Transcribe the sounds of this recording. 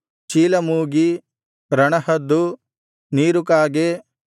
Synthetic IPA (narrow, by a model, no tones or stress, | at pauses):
t͡ʃiːlɐmuːɡi | ɾɐɳɐɦɐd̪ːu | niːɾukaːɡe